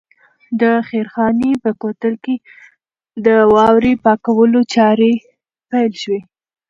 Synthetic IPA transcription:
d̪əxeɾxɑnepəkot̪əlke | d̪əwɑwɾepɑkawəlot͡ʃɑɾe | pajlʃwe

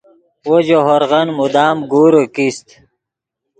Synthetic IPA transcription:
wod͡ʑoɦoɾɣɐnmud̪aːmɡuːɾəkist̪

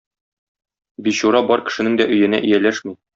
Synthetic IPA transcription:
biɕuɾɑbɒɾkɘ̥̆ʃɘ̆nɘŋd̪æʔɵ̆jɘ̆næ̰ʔɘ̆jælæʃmi

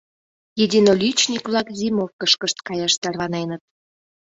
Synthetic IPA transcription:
jedʲinolʲyt͡ɕnʲikβlɑkzimokəʃkəʃt̪kɑjɑʃt̪ɑrβɑnenət̪̚

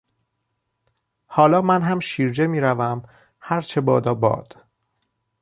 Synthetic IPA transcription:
hɒːlɒːmænɦæmʃiːɾd͡ʒe̞miːɾævæm | hæɾt͡ʃʰe̞bɒːd̪ɒːbɒ̰ːd̪̥

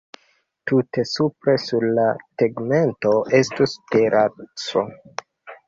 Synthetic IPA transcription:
tute̞supɾe̞suɾlateɡme̞nto̞ʔe̞stusteɾʔat͡so̰

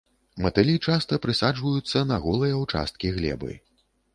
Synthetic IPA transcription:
mɐt̪ɨlʲit͡ʂast̪ɐpɾɨsad͡ʐvɐjut̪sːɐnɐɣɔlˠɨjɐwt͡ʂa̰st̪kʲiɣlʲɛ̰bɨ̰j

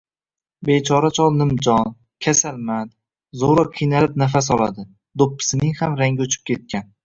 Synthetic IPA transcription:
bet͡ʃʰɒɾat͡ʃʰɒlˠnɪmd͡ʒɒn | kʲʰasalmad̪ | zoɾɒqʲʰijnalɪpnafas̬ɒlˠa̰d̪ɪ | d̪opʰːɪ̥sɪnɪŋhamɾaŋɡʲʊt͡ʃʰɪ̥p̚kʲe̞t̪̚kʲan

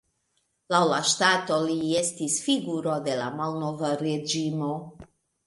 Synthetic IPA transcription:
lawlaʃtato̞lie̞stisfiɡuɾode̞la̰malnovaɾed͡ʒimo̞

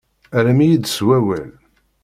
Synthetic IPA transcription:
æɾæmijid̪swæwæ̰l

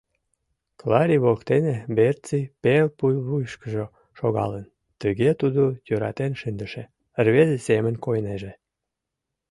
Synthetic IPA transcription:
klɑɾʲiβolkt̪enebert͡sipelpujβujʃkəʒo | ʃoɣɑ̰lən | t̪əɣet̪ud̪ojøɾɑ̰t̪enʃɨnd̪əʃe | ərβezesemənʲkojneʒe

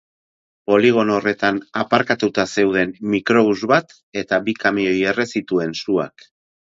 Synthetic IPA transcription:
po̞liɣ̞o̞no̞re̞t̪anapaɾkat̪ut̪ase̞wð̞e̞nmikɾo̞βuzβat̪ | e̞t̪abikamio̞je̞re̞sit̪ue̞nsua̰k

